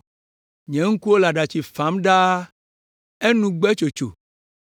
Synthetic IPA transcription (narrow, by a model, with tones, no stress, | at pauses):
ɲɛ̃˨ŋ̩˦ku˦wo˦la˨ɖa˨t͡ʃi˨fa˨˦mɖa˦ | e˦nũ˦ɡ͡bɛ˦t͡ʃo˨t͡ʃo̰˨